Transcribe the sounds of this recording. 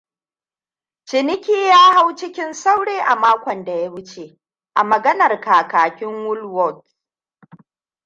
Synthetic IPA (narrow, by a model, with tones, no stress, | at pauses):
t͡ʃɪ˨nɪ˦kʲiː˦jaː˦ha˦wt͡ʃɪ˦kʲɪ˦nsa˦wɽeː˦ʔa˨maː˦kʷɐ˨nda˨ja˦wʊ˦t͡ʃeː˨ | ʔa˨mɐ˨ɡɐ˦nɐ˨rkaː˨kaː˨kʲɪ˦ŋwʊ˦lwɔ˦˨t